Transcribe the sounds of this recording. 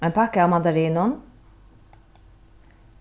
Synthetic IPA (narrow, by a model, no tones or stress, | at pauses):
eːnpʰɑkəɑːʋmɑd̪ɑɾiːnʊn